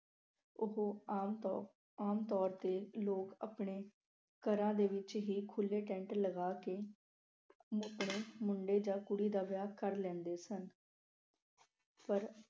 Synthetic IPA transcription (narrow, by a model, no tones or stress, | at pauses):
ʊɦoː | aːmt̪ɔːɾt̪eːloːkə̰pɳeː | kəɾãːd̪eːʋɪt͡ʃɦiːkʰʊlːeːʈɛ̃ːɳʈləɡaːkeː | əpɳ̃eːmʊɳɖeːd͡ʒãːkʊɽiːd̪aːʋjaːkəɾlɛ̃ːnd̪eːsən | pəɾ